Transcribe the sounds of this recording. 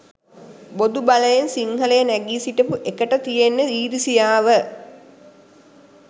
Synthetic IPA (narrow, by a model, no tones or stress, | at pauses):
bod̪ubaləjensiŋhələjənæɡiːsiʈəpuʔekəʈət̪ijenːəiːɾisijaːʋə